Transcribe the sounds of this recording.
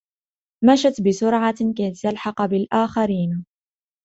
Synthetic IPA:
maʃat̪bɪsʊɾʕɑkajt̪ːalħɑqbɪlʔaːxaɾiːn

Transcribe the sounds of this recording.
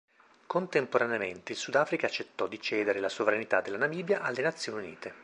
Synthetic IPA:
kont̪empoɾaneament̪eilsud̪aːfɾikaːt͡ʃːet̪ːɔd̪it͡ʃɛːd̪eɾelasovɾanit̪ad̪ːelːanamiːbjaʔalːenat̪sːjoːniunḭːt̪e

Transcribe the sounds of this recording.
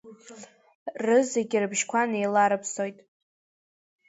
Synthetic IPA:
rɨzeɡʲɪrɨbʒkʷʰanejlaɾɨpʰsojtʼ

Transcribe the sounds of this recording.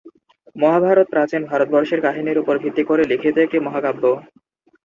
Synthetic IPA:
mɔɦabʱaɾot̪̚pɾãt͡ɕenbʱaɾot̪̚bɔɾʃeɾkaɦiniɾupoɾbʱit̪ːikoɾelikʰit̪oek̚ʈimɔɦakabːo

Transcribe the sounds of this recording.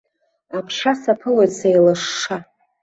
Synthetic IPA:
apʰʂasapʰɨlejsejlɨʂːa

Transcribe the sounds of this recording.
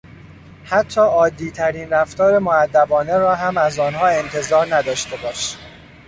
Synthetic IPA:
hæt̪ʰːɒːɒːd̪iːt̪ʰæɾiːnɾæft̪ʰɒːɾe̞moæd̪ːæbɒːne̞ɾɒːɦæmæzɒːnɦɒːe̞nt̪ʰe̞zɒːɾnæd̪ɒːʃt̪e̞bɒːʃ

